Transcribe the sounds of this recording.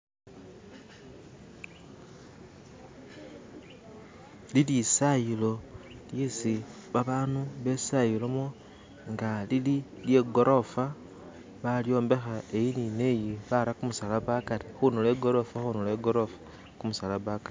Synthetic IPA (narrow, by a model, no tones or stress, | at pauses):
lilisajilo̞ljisi | βaβaːnuβe̞sajilomo | ŋɡalili | lje̞ɡo̞ɾʔo̞fa | βaljo̞ːmbe̞xae̞jinine̞jiβaɾakumusalaβakaɾixunuleːɡo̞ɾo̞faxunuleɡoɾofḁ | kumusalaβakaɾi